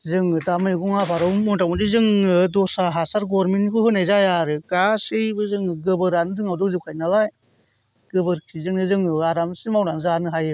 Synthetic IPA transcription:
zɯŋɯdamɯjɡɔŋapʰaɾɯwmɔntaw̚mɔdizɯŋɯdɔsaɦasaɾɡɔɾmenkʰɯhɯnajzajaɾɯɡasɯjbɯzɯŋɡɯbɯɾanɯzɯŋawdɔkzɯwkʰajnalaj | ɡ̥ɯbɯɾkʰizɯŋnɯzɯŋɯaɾamsimawnanzanɯɦajɯ

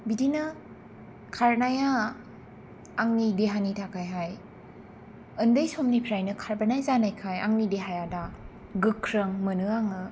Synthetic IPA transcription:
bidinɯ | kʰaɾnaja | ŋnideɦanitʰakʰajɦaj | ɯndɯjsomnipʰɾajnɯkʰaɾbanajzanajkʰaja̰ŋnideɦajada | ɡɯkʰɾɯŋmɯnɯaŋɯ

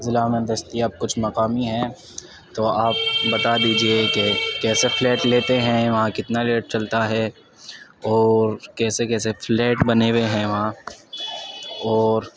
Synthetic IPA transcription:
zɪlaːmə̃nd̪ɐst̪iɐp̚kʊt͡ʃʰmɐqaːmiɦɛ̃ | t̪oːaːp̚bɐt̪ad̪iːd͡ʒiekekɛːseflɛːʈleːt̪eɦɛ̃ʋɐɦãkɪt̪naleːʈ̚t͡ʃɐlt̪aɦɛ | ɔːɾkɛːsekɛːseflɛːʈbɐneːʋeɦɛ̃ʋɐɦã | ɔːɾ

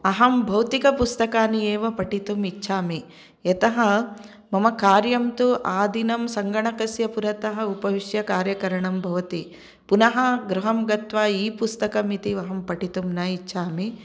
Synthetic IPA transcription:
ɐɦɐmbʱɐwt̪ikɐpust̪ɐkaːnieːʋɐpɐʈit̪umitːʃʰaːmi | ɐt̪ɐɦɐ | mɐmɐkaːɾjɐmt̪uʔaːd̪ʱinɐmsɐŋɡɐɳɐkɐsjɐpuɾɐt̪ɐɦɐupɐʋiʂjɐkaːɾjɐkɐɾɐɳɐmbʱɐʋɐt̪i | punɐɦɐɡɾuɦɐmɡɐt̪ʋaːiːpust̪ɐkɐmit̪iʋɐɦɐmpɐʈit̪umnɐit͡ʃːʃʰaːmi

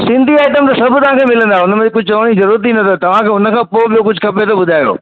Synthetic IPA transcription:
sɪ̃nd̪ʱiaːɪʈəmt̪ɐsɐbʱt̪ɐʋ̤ãkʰeːmɪlə̃nd̪aʊnəmẽek̬ʊd͡ʑʱt͡ɕɐʋɽ̃izɐɾuːɾət̪ːinɐt̪ʰot̪ɐʋ̤ãkʰeːʊnə̆kʰãːpoːɓijokʊd͡ʑʱkʰɐpet̪oɓʊd̪ʱaːjo̰ː

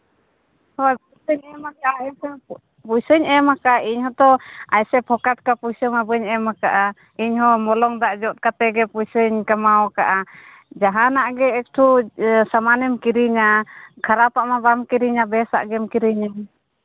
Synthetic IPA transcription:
hɔapujsəɲɛmakaʔa | pujsəɲɛmakaʔaʔiɲhɔt̪ɔajsɛpʰɔkat̪̚kapujsəmabəɲɛmakaʔa | iɲɦɔmɔlɔŋd̪aʔd͡ʒɔt̪̚kat̪ɛɡɛpujsəɲkamaɔkaʔa | d͡ʒaɦanaʔɡɛːk̚ʈʰusamanɛmkiɾiɲakʰaɾapaʔmabamkiɾiɲabɛsa̰ʔɡɛmkiɾiɲa

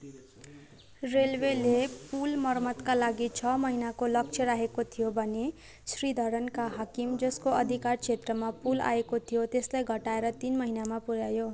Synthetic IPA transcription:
relwelepulmʌrmʌt̪kalaɡit͡sʰʌmʌɦinakolʌk̚t͡sʰjʌɾaɦekot̪ʰijobʱʌne | srid̪ʱʌɾʌnkaɦakimd͡zʌskoʌd̪ʱikart͡sʰet̪rʌmapula̰ekot̪ʰijot̪eslajɡʱʌʈaeɾʌt̪inmʌɦinamapuɾjajo

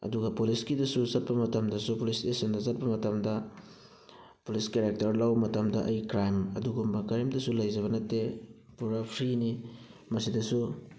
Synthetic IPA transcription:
ɐ̰duɡɐpuliskidɐsuzɐt̚pɐmɐtɐmdɐsupulisesendɐzɐt̚pɐmɐtɐmdɐ | puliskeɾek̚tɐɾlɐwmɐtɐmdɐʔɐjkɾajmɐ̰duɡumbɐkɐɾemdɐsulɐjzɐβɐnɐtːe | puɾɐpʰɾini | mɐsidɐsu

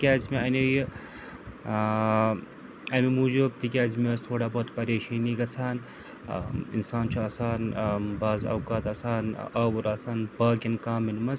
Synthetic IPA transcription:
kʲaːzmeɐneji | ɐmimuːd͡ʒub̚t̪ikʲaːzmʲeːst̪ʰoːɽaːboːt̪pɐɾeːʃiːniːɡɐt͡sʰaːn | ḭnsaːnt͡ʃʰuaːsaːnbaːzɐ̰wkaːt̪ɐːsaːnɐːwuɾaːsaːnbaːɡʲɐnkaːmːinmɐs

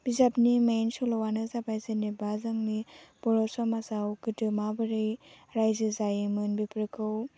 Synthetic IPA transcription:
b̥izapnimansulɔwanɯzabajzɯnibazaŋnib̥ɔɾɔsɔmazawɡɯtɯmabɯɾɯj | ɾajzɯzajɯmɯnbipɾɯkʰɯw

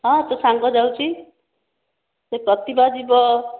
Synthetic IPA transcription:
ɦʌ̃t̪ʌsaŋɡʌd͡zawt͡sʰi | t̪ʌprʌt̪ibad͡zibʌ

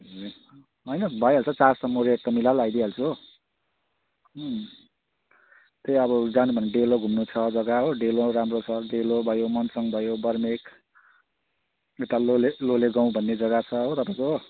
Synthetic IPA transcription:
ʌ | ɦʌjnʌbʱʌjɦalt͡sʰʌt͡sarsʌmːoɾeek̚t̪ʌmilalajd̪iɦalt͡sʰu | t̪ejʌbʌd͡zanubʱʌnːeɖeloɡʱumnut͡sʰʌd͡zʌɡaɦoɖeloɾamrot͡sʰʌɖelobʱʌjomʌnsʌŋbʱʌjobʌrmek | ewʈaloleloleɡãw̃bʱʌnːed͡zʌɡat͡sʰʌɦot̪ʌpaĩko

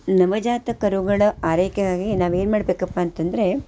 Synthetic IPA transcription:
nɐʋɐd͡ʒaːt̪ɐkɐɾuɡɐɭɐaːɾeːkeɡaːɡinaːʋeːnmaːɽbeːkɐpːaːnt̪ɐnd̪ɐɾe̞

